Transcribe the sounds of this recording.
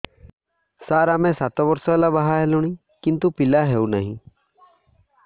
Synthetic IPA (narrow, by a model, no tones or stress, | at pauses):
saːɾamẽsat̪ɔbɔɾsɔlabaɦaɦɛluɽ̃i | kɪnt̪upɪlaɦeuna̰ɦĩ